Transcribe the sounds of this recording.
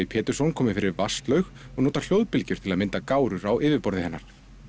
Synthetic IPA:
ipʰɛːt̪ʏɾsɔwnkʰɔːmɪfɪɾɪɾvast̪lœɥx | ɔɣnoːt̪al̥joːwðpɪlcʏɾ̥t̪ʰɪlaðmɪnt̪akaːwɾʏɾawʔɪːvɪpɔɾðɪhɛnːaɾ̥

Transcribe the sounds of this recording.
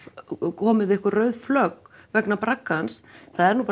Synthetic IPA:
kʰɔːmɪðɪɛhkvarœːɥðflœːkvɛknapɾakːansθaðɛɾnuːpa

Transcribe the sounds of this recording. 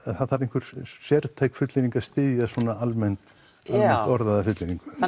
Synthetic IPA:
ɛθaðθaɾejŋ̥kʰʏɾ̥sjɛɾt̪ʰaːjkfʏt̪lɪɾiŋkast̪ɪːðjasɔːnaalmɛn̥t̪ | almɛnt̪ɔɾðaðafʏt̪lɪniŋkʏ

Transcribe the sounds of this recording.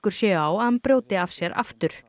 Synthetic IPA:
kʏɾ̥sjɛːawampɾoːwt̪ɪafsjɛɾa̰ft̪ʏɾ̥

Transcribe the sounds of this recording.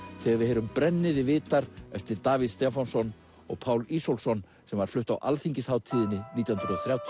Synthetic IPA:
θɛːɣaɾvɪhɛːɾʏmpɾɛnːɪðɪvɪːt̪aɾɛft̪ɪɾt̪aːviðst̪ɛfansɔn | ɔ̰ɣpʰaːwlisowlsɔn | sɛmvaɾ̥flʏht̪a̰wʔa̰lθiɲcɪshaːwt̪ʰiːðɪnːɪniːt̪jawhʏnɾðɔθɾjawt̪ʰ

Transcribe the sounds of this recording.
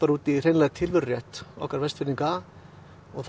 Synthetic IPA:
aɾuːt̪ir̥eːjnlɛɣt̪ʰɪlvʏɾrjɛht̪ɔ̰hkaɾvɛst̪fɪɾniŋka | ɔɣθ

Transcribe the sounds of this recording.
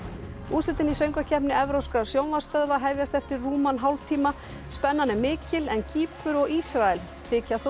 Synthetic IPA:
uːsɪt̪ɪnisœɥŋkacʰɛpnɪɛvɾowskɾasjownvḁst̪œððaɦɛvjast̪ɛft̪ɪɾruːmanɦawlt̪ʰiːma | spɛnːanɪmɪːcɪlɛnciːpʏɾɔɣisɾaɛl | θɪːcaθ

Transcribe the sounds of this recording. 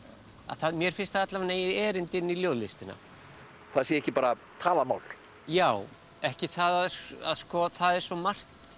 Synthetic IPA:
a̰θaðmjɛɾ̥fɪn̥st̪ajat̪lavanejɛːɾɪnt̪ɪnːiljoːwðlɪst̪ɪna̰ | θaðsjɛɛhcɪpaːɾa | t̪ʰaːlama̰ːwl | jaːw | ɛhcɪθaðaða̰ðskɔθaðɛɾ̥svɔmar̥t̪

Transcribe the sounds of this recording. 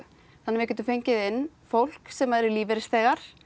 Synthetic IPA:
θanːɪvɛhcɛnt̪ʏfejɲcɪðɪnː | fowl̥ksɛmaɛɾɪliːvɛɾɪstθɛːɣaɾ̥

